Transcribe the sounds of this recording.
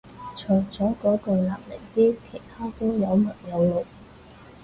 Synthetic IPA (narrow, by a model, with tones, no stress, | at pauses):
t͡ʃʰɵ˨˩jt͡sɔː˨˥kɔː˨˥kɵ˧ɥlaː˨˩p̚lɪ˨˩ŋt̪iː˥kʰe˨˩jt̪ʰaː˥t̪o˥wjɐ˨˧wmɐ˨˩njɐ˨˧wlo˨˩w